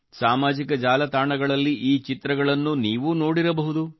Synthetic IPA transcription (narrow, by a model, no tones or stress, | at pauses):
saːmaːd͡ʒikɐd͡ʒaːlɐt̪aːɳɐɡɐɭɐlːiʔiːt͡ʃit̪ɾɐɡɐɭɐnːuniːʋuno̞ːɽiɾɐbɐɦud̪u